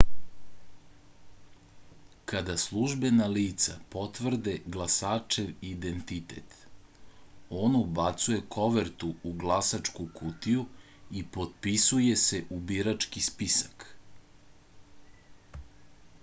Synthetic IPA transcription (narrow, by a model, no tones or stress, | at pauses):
kad̪aslˠuʒbe̞naliːt̪sa̰po̞t̪ʋr̩d̪e̞ɡlˠasaːt͡ʃe̞ʋid̪ent̪it̪e̞̰t̪ | oːnubat̪suje̞kʰo̞ʋeɾt̪uuɡlˠasat͡ʂkukut̪iju | ipo̞t̪̚pisuje̞se̞ʔubiɾat͡ʂkispisḁk